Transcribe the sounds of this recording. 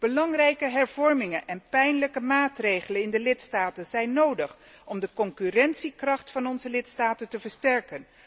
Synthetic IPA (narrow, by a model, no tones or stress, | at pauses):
b̥əlɑŋrɛjkəɦɛɹv̥ɔɹmɪŋənʔɛnpɛjnləkəmaːtrejχələnɪndəlɪtstaːtənzɛjnːowdəχ | ɔmdəkɔŋkyrɛntsikrɑχtfɑnɔnzəlɪtstaːtəntəvəɹstɛɹkən